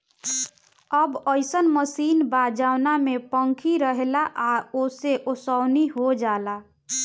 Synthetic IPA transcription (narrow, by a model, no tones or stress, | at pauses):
əbəɪsənməsiːnbad͡ʒawnamepəŋkʰiɾəɦelaʔaoseʔosəwniɦod͡ʒala